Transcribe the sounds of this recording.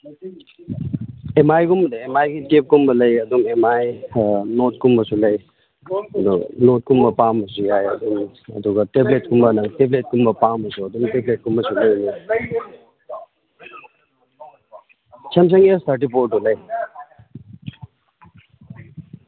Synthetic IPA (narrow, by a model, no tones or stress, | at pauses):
emajɡumbɐdaemajɡitep̚kumbɐlɐjɐdumemajnot̚kumbɐsulɐj | ɐdṵnot̚kumbɐpamɐsujajɐ̰dum | ɐ̰duɡɐteblet̚kumbɐnɐŋteblet̚kumbɐpamɐsuɐdumteblet̚kumbɐsulɐjni | t͡ʃʰɐmsʰɐŋestʰaɾt̬ipoɾ̚dulɐj